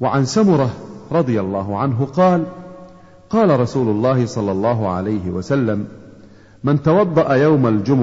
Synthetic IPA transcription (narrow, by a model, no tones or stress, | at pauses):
waʕansamʊɾˤɑɾˤɑd̪ˤɨjalˤːɑːɦʊʕanɦʊqɑːl | qɑːlaɾˤɑsuːlʊlˤːɑːhɪsˤɑlːɑlˤːɑːɦʊʕa̰lajɦɪwa̰salːamː | ɪnt̪awɑd̪ˤːɑʔajawmald͡ʒʊm